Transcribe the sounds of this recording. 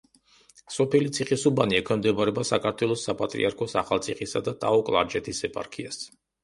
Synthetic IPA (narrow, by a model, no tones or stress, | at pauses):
sɔpɛlit̪sʰiχisubaniɛkʰwɛmd̪ɛbaɾɛbasakʰaɾt̪ʰwɛlˠɔsːapʼat̪ʼɾḭaɾkʰɔsa̰χalˠt̪sʰiχisad̪at̪ʼa̰ɔkʼlˠa̰ɾd͡ʒɛt̪ʰisɛpʼa̰ɾkʰias